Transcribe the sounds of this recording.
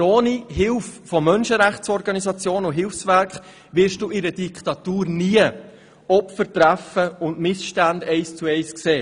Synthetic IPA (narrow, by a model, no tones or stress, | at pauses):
oːniɦɪlffɔmœnʃəɾæχt͡sɔɾɡɑnisɑt͡sjoːnʊɦɪlfsʋæɾkχ | ʋɪɾʃd̥uːɪɾəd̥ikχtɑt̪uːɾniə | ɔpfəɾtɾæfəʊntmɪsʃtændɛɪst͡suɛɪskseː